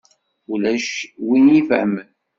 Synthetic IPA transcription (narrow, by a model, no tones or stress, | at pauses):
ulæʃwinifʕmən